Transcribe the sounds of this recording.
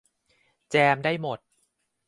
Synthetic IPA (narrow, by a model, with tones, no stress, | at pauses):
t͡ɕɛː˧mdaː˥˩jmo˨˩t̪̚